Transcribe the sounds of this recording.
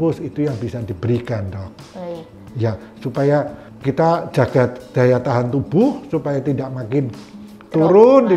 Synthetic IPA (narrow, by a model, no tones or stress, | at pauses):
ʊsit̪ujaŋbisadibəɾikandɔh | ja | supaja | kit̪ad͡ʒaɡ̥ad̥ajat̪aɦant̪ubʊhsupajat̪idaʔmakɪn | t̪uɾʊnd̪i